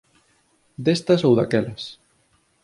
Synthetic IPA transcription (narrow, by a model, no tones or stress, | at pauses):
d̪est̪ɐsowðakɛlɐs